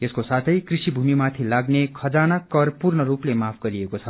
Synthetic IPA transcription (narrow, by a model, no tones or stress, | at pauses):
jeskosat̪ʰʌjkrisibʱumimat̪ʰilaɡnekʰʌd͡zanakʌrpurnʌɾuplemapʰɡʌɾiekot͡sʰʌ